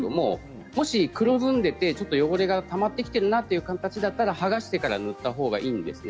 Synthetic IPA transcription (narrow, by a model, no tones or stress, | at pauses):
omo̞̰ | mo̞ɕikɯ̟ɾo̞zɨ̃nd̪e̞t̪e̞t͡ɕo̞t̪ːojo̞ɡo̞ɾe̞ɡat̪amat̪ːe̞kʲi̥t̪e̞ɾɯ̟nat̪ːe̞jɯ̟kãnt̪at͡ɕid̪at̪ːaɾahaɡaɕi̥t̪e̞kaɾanɯ̟t̪ːaɦo̞ːɡa̰ʔiːnd̪e̞sɨn